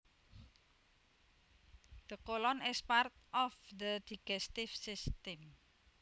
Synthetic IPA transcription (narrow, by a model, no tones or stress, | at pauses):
d̪̥əkolɔnɛspart̪̚ʔɔfd̪əd̪̥iɡɛst̪ɪfsist̪ɛm